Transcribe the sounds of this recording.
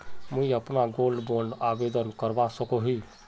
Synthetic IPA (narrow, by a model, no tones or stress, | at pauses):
muiəpnaɡolɖboɾɖabed̪ənkəɾbasəkoɦi